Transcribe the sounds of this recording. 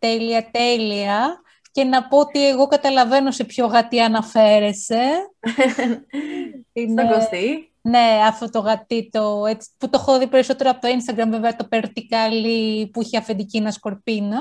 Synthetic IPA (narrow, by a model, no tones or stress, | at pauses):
t̪eliɐt̪e̞liɐ | ce̞nɐpoot̪ie̞ɣo̞kɐt̪ɐlɐve̞no̞se̞pço̞ɣɐt̪iɐnɐfe̞ɾe̞se̞ | isoɡost̪i | ne̞ɐft̪o̞t̪o̞ɣɐt̪it̪oet͡si̥put̪o̞xoðipe̞ɾiso̞t̪e̞ɾoɐpot̪oinst̪ɐɡɾɐmveveɐt̪o̞peɾt̪ikɐlipuiçeɐfend̪icinɐsko̞ɾpinɐ